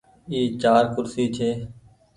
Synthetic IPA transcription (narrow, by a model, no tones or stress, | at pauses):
iːt͡ʃaːɾkʊɾsiːt͡ʃʰeː